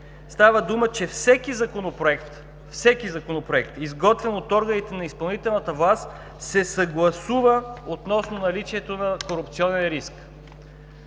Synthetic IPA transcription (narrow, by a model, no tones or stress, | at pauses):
st̪avəd̪umət͡ʃɛfsɛkizɐkonopɾoɛkt̪ | fsɛkizɐkonopɾoɛkt̪izɡɔt̪vɛnot̪ɔɾɡənit̪ɛnɐispɐlˠnit̪ɛlˠnət̪əvlˠast̪ | sɛsɐɡlˠɐsuvəot̪nɔsnonɐlit͡ʃiɛt̪onɐkoɾʊpt̪siɔnɛnɾisk